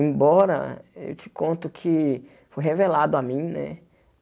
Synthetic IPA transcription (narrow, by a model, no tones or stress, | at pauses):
ẽbɔɾɐ̰ḛwt͡ʃɪ̥kõnt̪ʊkʰɪ | fojɦevelad̪ʊamĩj̃nɛ̰